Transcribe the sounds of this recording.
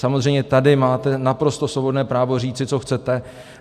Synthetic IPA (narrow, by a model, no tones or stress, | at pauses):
samozrɛjmɲɛt̪adɪmaːt̪ɛnapɾo̞st̪o̞slobo̞dnɛːpɾaːvo̞riːt͡sɪt͡so̞xt͡sɛt̪ɛ